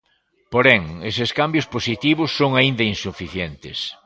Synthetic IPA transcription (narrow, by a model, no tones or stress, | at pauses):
poɾɛŋeseskambjʊsposit̪iβʊsːoŋaind̪ɐinsufiθjent̪ɪs